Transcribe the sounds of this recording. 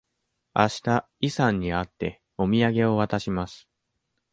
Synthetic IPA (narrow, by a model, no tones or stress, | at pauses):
aɕi̥t̪a | isãɲ̟ːiat̪ːe̞ | o̞mʲiaɡe̞o̞βat̪aɕimasɨ̥